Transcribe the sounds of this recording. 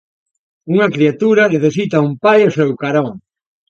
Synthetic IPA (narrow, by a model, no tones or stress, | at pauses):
uŋɐkɾiat̪uɾɐneθesit̪ɐumpajosɛwkaɾɔŋ